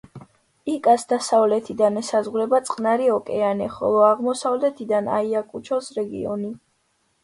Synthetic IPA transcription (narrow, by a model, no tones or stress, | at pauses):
ikʼasd̪asavlɛt̪ʰid̪anɛsazʁuɾɛbat̪sʼqʼnaɾiɔkʼɛanɛχɔ̰lˠɔaʁmɔsavlɛt̪ʰid̪ana̰iakʼut͡ʃʰɔsɾɛɡḭɔ̰ni